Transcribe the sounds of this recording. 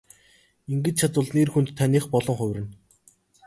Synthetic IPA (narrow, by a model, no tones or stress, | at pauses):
iŋɡɘ̆t͡ɕt͡ɕʰat͡sʊːɮnerxunt̪t̪ʰːaniːχpɔɮɞ̆ŋχʊ̟wʲrɘ̆n